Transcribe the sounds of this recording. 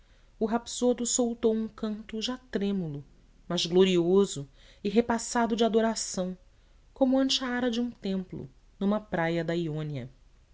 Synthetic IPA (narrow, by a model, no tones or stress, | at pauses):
ʊɦapsod̪ʊsowt̪owũkɐ̃nt̪ʊʒat̪ɾẽmulʊ | mɐzɡloɾiozʊɪɦepasad̪ʊd͡ʒɪad̪oɾasɐ̃w̃ | kõmʊɐ̃nt͡ʃɪɐaɾɐd͡ʒɪũt̪ẽmplʊ̰ | nũmɐpɾajɐd̪ɐiõniɐ̰